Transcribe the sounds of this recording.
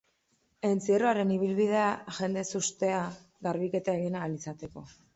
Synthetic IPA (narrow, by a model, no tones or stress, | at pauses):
e̞nt͡sieroaɾe̞niβ̞ilβiðe̞aʝe̞nd̪e̞sust̪e̞a | ɣaɾβike̞t̪aeɣinalisat̪e̞ko̞